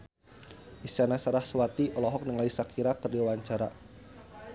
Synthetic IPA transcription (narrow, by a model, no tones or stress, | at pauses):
ʔist͡ʃanasaɾahswat̪iʔɔlɔɦɔk̚nəŋlaisakʰiɾakɨrdiwaɲt͡ʃaɾa